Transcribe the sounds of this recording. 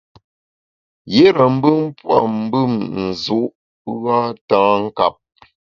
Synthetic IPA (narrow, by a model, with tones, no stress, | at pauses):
je˦ɾə˨m̩˦bɨ˦m˦pwa̰˨m̩˦bɨ˦˨mn̩˨zu˨˦ʔ | ɣa˦taː˦ŋ̩˦ka˨p̚